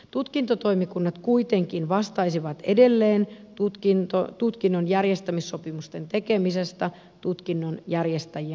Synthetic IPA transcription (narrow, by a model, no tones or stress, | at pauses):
t̪ut̪kint̪ot̪o̞imikunːɑt̪kuit̪e̞ŋkinʋɑst̪ɑisiʋɑt̪ḛde̞lːe̞ːnt̪ut̪kint̪ot̪ut̪kinːonjærjest̪æmisːo̞pimust̪ent̪e̞kemisest̪ɑ | t̪ut̪kinːonjærjest̪æjiæ